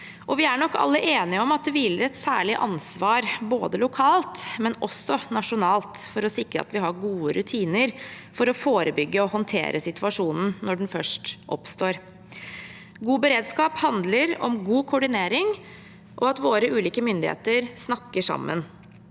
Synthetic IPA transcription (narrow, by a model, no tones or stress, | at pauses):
ʔɔʋɪæɳɔkːɑ̰lːəʔeːnɪəɔmɑt̪̚d̪ɛʋɪlɾɛt̪sæ̰ːɭɪʔɑnsʋɑːɾbo̰ːd̪əlʊkʰɑːlt̪mɛnɔsːɔnɑʂʊnɑːlt̪fɔɾɔsɪkɾə̰ɑ̰t̪ʋɪɦɑɾɡuːəɾʔʉt̪ʰiːnəɾfɔɾɔfoːɾəbʏɡːəɔhɔnt̪ʰḛːɾʔəsɪt̪ʰʉɑʂuːnn̩nɔɖɛn̩fœʂʈʔɔpst̪oːɾ | ɡuːbəɾeːd̪skɑːphɑnd̪ləɾɔ̰mɡuːkʰʊɖɪneːɾɪŋ | ʔɔɑt̪ʋoːɾəʔʉːliːkəmʏnd̪ɪhḛːt̪əɾsnɑkːəʂɑ̰mːə̰n